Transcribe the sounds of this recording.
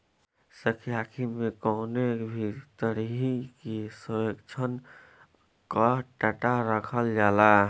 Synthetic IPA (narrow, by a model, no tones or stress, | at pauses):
səkʰjakʰimekɔʊnebʱit̪əɾiɦikesəjəkt͡ʃʰən | kaʈəʈaɾəkʰəld͡ʒala